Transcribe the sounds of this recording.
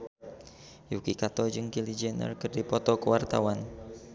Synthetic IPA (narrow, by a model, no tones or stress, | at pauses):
jukikat̪ɔd͡ʒɨŋkilid͡ʒɛnə̰rkɨrdipɔt̪ɔkəwart̪awan